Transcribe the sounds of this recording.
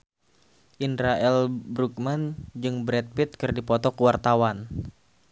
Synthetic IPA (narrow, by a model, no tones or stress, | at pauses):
ʔindɾaʔɛlbɾuk̚mand͡ʒɨŋbɾɛt̪̚pit̪̚kɨrdipɔt̪ɔkəwart̪awan